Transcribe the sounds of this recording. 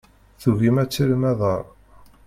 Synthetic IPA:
θuɣimæt͡sːiɾmæðˤəɾˤ

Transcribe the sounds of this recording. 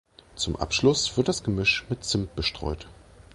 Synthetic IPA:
t͡sʊmʔa̰pʃlʊsv̥ɪɐt̚d̥asɡ̥əmʏʃmɪtt͡sɪmp̚b̥əʃtʁ̥ɔ̰ʏt

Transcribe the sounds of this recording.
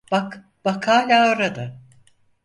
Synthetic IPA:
b̥ak | bakʰaːlʲaoɾad̪a

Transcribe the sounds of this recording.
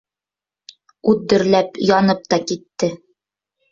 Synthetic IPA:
ʉðːɵ̆ɾlæpjɒnɤp̚t̪ɑkit̪ːɘ

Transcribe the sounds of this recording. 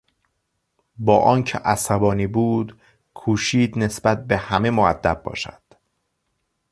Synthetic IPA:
bɒːʔɒːncʰḛʔæsæbɒːniːbuːd̪ | kʰuːʃiːd̪ne̞sbæt̪̚be̞hæme̞moæd̪̥ːæbːɒ̰ːʃæ̰d̪̥

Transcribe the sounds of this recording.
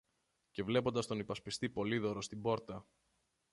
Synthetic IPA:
ce̞vle̞po̞nd̪ɐst̪o̞nipɐspist̪ipo̞liðo̞ɾo̞st̪ibo̞ɾt̪ɐ

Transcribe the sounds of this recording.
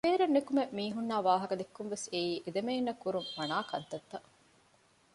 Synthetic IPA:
eːɾenːekumemiːɦunːaːʋaːɦɐkɐd̪ekːumʋeseiːʔed̪ɐmeːnːɐkuɾumːɐnaːkɐnt̪ɐt̪ːɐ

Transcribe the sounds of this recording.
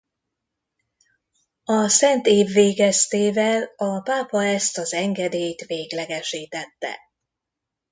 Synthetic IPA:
ɒsɛnt̪eːvːeːɡɛst̪eːvɛlɒpaːpɒɛst̪ɒzɛŋɡɛd̪eːjt̪ʋeːɡlɛɡɛʃiːt̪ɛt̪ːɛ̰

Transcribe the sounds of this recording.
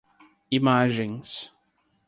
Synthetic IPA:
imaʒẽj̃s

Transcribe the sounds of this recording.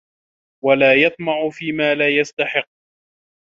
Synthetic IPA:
walaːjɑt̪̚ˤmɑʕʊfiːmaːlaːjast̪aħɪqː

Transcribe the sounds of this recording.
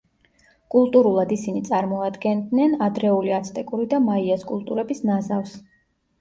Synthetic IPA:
kʼulˠt̪ʼuɾulˠad̪isinit̪sʼaɾmɔad̪ɡɛnd̪nɛnad̪ɾɛuliat̪sʰt̪ʼɛkʼuɾid̪amaiɛskʼulˠt̪ʼuɾɛbisnazafs

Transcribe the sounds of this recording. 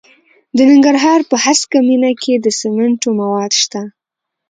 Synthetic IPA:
d̪ənɪŋɡaɾɦɑɾpəhaskaminakʰed̪əsɪmaɳʈomawɑd̪ʃt̪a

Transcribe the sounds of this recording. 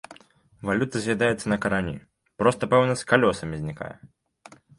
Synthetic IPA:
valʲut̪ɐzʲvʲad̪ajɛt̪sːɐnɐkɐɾanʲḭ | pɾɔst̪ɐpɛwnɐskalʲɔsɐmʲizʲnʲika̰jɛ̰

